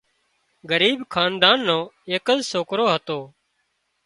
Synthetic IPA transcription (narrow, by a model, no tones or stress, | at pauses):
ɡəɾiːbkʰaːnd̪aːnːõːeːkəzsoːkɾoːɦət̪oː